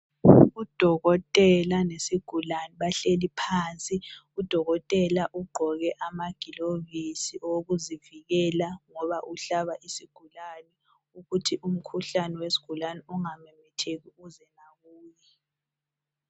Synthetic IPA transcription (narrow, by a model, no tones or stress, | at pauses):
ud̥ʱɔɣɔtʼɛlanesiɡ̥ʱulanɛβaɬelipʰaːnt͡sʼiud̥ʱɔɣɔtʼɛlaʔuɡ͡ǃʱɔɣɛʔamaɡ̥ʱilovisiʔɔwɣuziviɣɛlaŋɔβaʔuɬaβaʔisiɡ̥ʱulanɛ | uɣutʰiʔum̩kʰuɬanɛwesi̥ɡ̥ʱulanɛuŋamɛmɛtʰeɣiuzɛnaɣuːjɛ